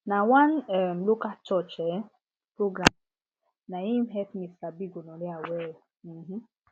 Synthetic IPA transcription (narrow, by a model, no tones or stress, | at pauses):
nawanɛmlokat͡ʃɔt͡ʃɛ | pɾoɡɾam | najimɦɛt̪misabiɡonɔliawɛ | m̩mm̩